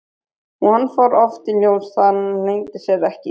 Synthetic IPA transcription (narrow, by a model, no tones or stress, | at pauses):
ɔhanːfaɾɔft̪iljowsθanlejŋt̪ɪsjɛðɛhcɪ